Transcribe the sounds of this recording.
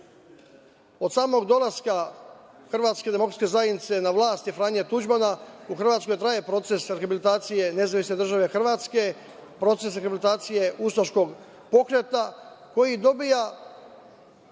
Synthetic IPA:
o̞d̪saːmo̞ɡd̪o̞laska | xr̩ʋaːt̪ske̞d̪e̞mo̞kɾat̪ske̞zajed̪nit̪se̞naʋlˠaːst̪ifɾaːɲet̪ud͡ʒmanauxr̩ʋaːt̪sko̞jt̪ɾaːje̞pɾo̞t̪se̞sɾexabilit̪aːt̪sije̞ne̞zaʋisne̞d̪r̩ʒaʋe̞xr̩ʋaːt̪ske̞ | pɾo̞t̪se̞sɾexabilit̪aːt̪sije̞ust̪oʃko̞ɡ | po̞kɾe̞t̪a | ko̞jid̪o̞bija

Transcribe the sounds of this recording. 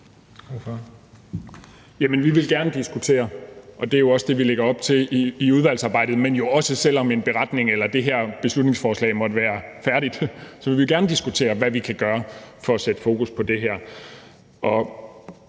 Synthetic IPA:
jæmənʋiʋe̝lɡ̥æɐnəd̥isɡ̥ut͡sʰe̝̰ːɐʔɒ̽d̥e̝æɐjo̝ɒ̽səd̥e̝ʋileɡ̥ɐɒ̽b̥̚t͡sʰe̝iuð̞ˠʋæl̰sɑ̈ːbɑ̈ɪ̰d̥ð̩ˠmenjo̝ɒ̽səsel̰ɒ̽me̝nb̥e̝ʁɑ̈d̥ne̝ŋelɐd̥e̝ɦæɐ̰b̥e̝slud̥ne̝ŋsfɒːslɛ̰ɪmɒ̽d̥əʋæːɐfæɐɾ̥id̥sɒ̽ʋeʋijo̝ɡ̥æɐnəd̥isɡ̥ut͡sʰe̝̰ːɐʋæʋikʰæɡ̥ɶːɐfɒ̽ːsed̥əfo̝ːkʰuspʰɒ̽d̥e̝ɦæɐ̰ | ʔɒ̽

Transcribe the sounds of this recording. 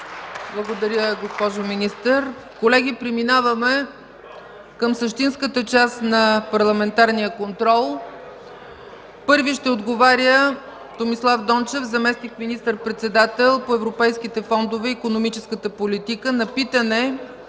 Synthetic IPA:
blˠɐɡod̪ɐɾʲjəɡospɔʒominist̪əɾkolɛɡ̟ipɾɛminavəmɛ | kəmsəʃt̪inskət̪ət͡ʃasnɐpɐɾlˠɐmɛnt̪aɾnijəkont̪ɾɔlˠ | pɤɾviʃt̪ɛod̪ɡovaɾʲjə | t̪omislˠavd̪ɔnt͡ʃɛvzɐmɛsnikminist̪əɾpɾɛt̪sɛd̪at̪ɛlˠpoɛvɾopɛjskit̪ɛfɔnd̪ovɛikonomit͡ʃɛskət̪əpolit̪ikənɐpit̪ənɛ

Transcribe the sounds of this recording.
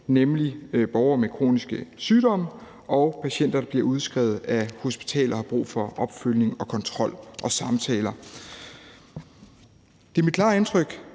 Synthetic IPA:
nemlib̥ɒʊɐmekʰʁo̝̰ːnisɡ̥əsyːdɒ̽m̰ə | ʔɒ̽ʊpʰæɕen̰d̥ɐd̥ɑ̈b̥liɐuð̞ˠsɡ̥ʁɛʊð̞̩ˠæho̝sb̥i̥t͡sʰɛ̰ːlɐhɑ̈b̥ʁṵːfɒ̽ʔɒ̽b̥følje̝ŋɒ̽kʰɒ̽nt͡sʰʁɒ̽l̰ʔɒ̽sɑ̈mt͡sʰɛ̰ːlɐ | d̥e̝æɐmid̥̚kʰlɑ̰̈ːe̝nt͡sʰʁœɡ̥

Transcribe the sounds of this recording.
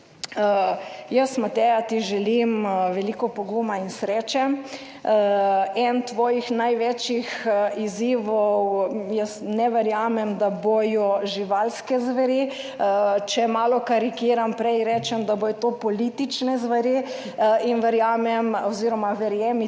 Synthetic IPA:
jəsmat̪ɛːjat̪iʒɛlimʋɛlikɔpoɡumainsɾɛːt͡ʃɛm | ɛnt̪ʋɔːjixnajʋɛt͡ʃjixiziːʋɔwjəsnɛʋɛɾjaːmɛmd̪abojɔʒiʋalskɛzʋɛɾi | t͡ʃɛmaːlɔkaɾikiːɾampɾɛjɾɛt͡ʃɛmd̪abojɔt̪opɔlit̪it͡ʃnɛzʋɛɾi | inʋɛɾjaːmɛmoziːɾɔmaʋɛɾjɛm

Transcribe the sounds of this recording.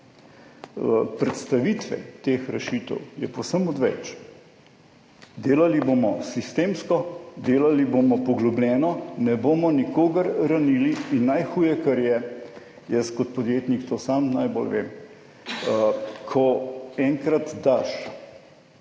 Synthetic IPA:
pɾɛt̪st̪aʋit̪ʋɛ̰t̪eːxɾɛʃiːt̪ə̰wjɛpɔwsəmɔd̪ʋɛ̰t͡ʃ | d̪eːlaliboːmɔsist̪eːmskɔd̪eːlaliboːmɔpɔɡlublʲɛːnɔnɛboːmɔnikoːɡəɾɾaniliːnːajxuːjɛkɐɾjɛ | jəskɔt̪̚pɔd̪jeːt̪nikt̪oːsamnajbo̰lʋḛːm | kʰɔɛŋkɾat̪d̪aʃ

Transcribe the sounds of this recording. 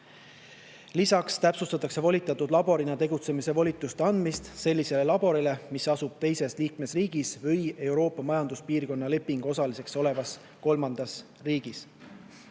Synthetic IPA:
lisɑkst̪æpsust̪ɑt̪ːˑɑkse̞vo̞lʲit̪ːˑɑt̪ːˑud̪lɑbo̞ɾinɑt̪e̞ɡut̪se̞mise̞vo̞lʲit̪ːˑust̪eɑnd̪̥mist̪se̞lʲːise̞le̞lɑb̥o̞ɾile̞misɑsub̥̚t̪e̞jse̞sliːkme̞sriːɡ̥isvɤje̞wɾo̞ːpːˑɑmɑjɑnd̪uspiːrko̞nːɑle̞pːiŋɡ̥o̞sɑlise̞kso̞le̞vɑs | ko̞lmɑnd̪̥ɑs | riːɡ̥is

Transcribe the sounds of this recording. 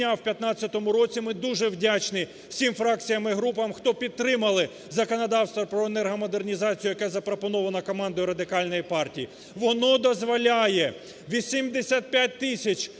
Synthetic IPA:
awpʲjɐt̪nɑt͡sʲːɐt̪ɔmʊɾɔt͡sʲimɪd̪uʒɛwdʲat͡ʃnɪ | sʲimfɾɑk̚t͡sʲijɐmɪɦɾup̬ɐmxt̪ɔpʲid̪t̪ːɾɪmɐlˠɪ | zɐkɔnɐd̪ɑwst̪ʋɐpɾɔenɛrɦɔmɔd̪ernʲizɑt͡sʲijʊjɐkɛzɐpɾɔpɔnɔʋɐnɐkɔmɑnd̪ɐjɾɐd̪ɪkɑlʲnɔjipɑrtʲiji | ʋɔnɔd̪ɔzʋɔlʲajɛ | ʋʲisʲimd̪esʲat̪̚pʲjat̚ʲt̪ɪsʲɐt͡ʃ

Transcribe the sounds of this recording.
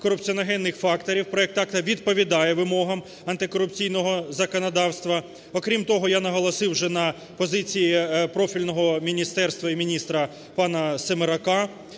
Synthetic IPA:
kɔɾʊpt͡sʲiɔnɐɦɛnːɪxfɑkt̪ɔɾʲiwpɾɔɛk̚t̪ɑkt̪ɐʋʲid̪pɔʋʲid̪ɑjɛʋɪmɔɦɐm | ɐnt̪ɪkɔɾʊpt͡sʲijnɔɦɔzɐkɔnɐd̪ɑwst̪ʋɐ | ɔkɾʲimt̪ɔɦɔjanɐɦɔlˠɔsɪwʒɛnɐ | pɔzɪt͡sʲijipɾɔfʲilʲnɔɦɔmʲinʲist̪ɛrst̪ʋɐimʲinʲist̪ɾɐ | pɑnɐsemeɾɐkɑ

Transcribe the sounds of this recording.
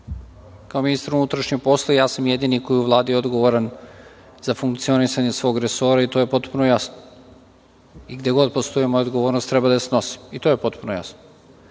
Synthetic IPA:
kaominist̪aɾunut̪ɾaʃɲepo̞slˠojaːsamjed̪iːniko̞jiuʋlˠaːd̪ijeo̞d̪ɡo̞ʋoɾan | zafuŋk̚t̪sio̞nisaɲesʋo̞ːɡɾeso̞ːɾait̪o̞je̞po̞t̪punojasno̥ | iɡd̪eɡo̞d̪po̞st̪o̞jimo̞jaod̪ɡoʋoːɾnost̪ːɾɛbad̪aseno̞si̥mit̪oje̞po̞t̪punoja̰sno̥

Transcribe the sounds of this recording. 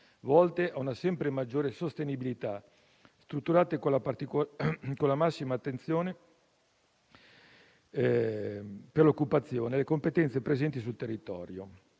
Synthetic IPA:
vɔlt̪eʔaunasɛmpɾemad͡ʒːoːɾesost̪enibilit̪a | st̪ɾut̪ːuɾaːt̪ekolapat̪ikokolːamasːimaːt̪ːent̪sjoːne | perlokːupat̪sːjoːnelekompet̪ɛnt̪sepɾezɛnt̪is̬ult̪erːit̪ɔ̰ːɾjo̰

